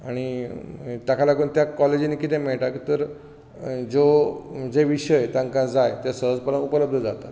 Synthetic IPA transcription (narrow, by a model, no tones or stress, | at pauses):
aɽ̃i | ʈ̪akʰalaɡuːnt̪jakɔled͡ʑinekit̪ɛ̃meɭʈakit̪əɾ | d͡zod͡zeʋiɕəjt̪ãŋkãd͡zajt̪esəɦəd͡zpəɾənupələb̚d̪ʱəd͡zat̪at̪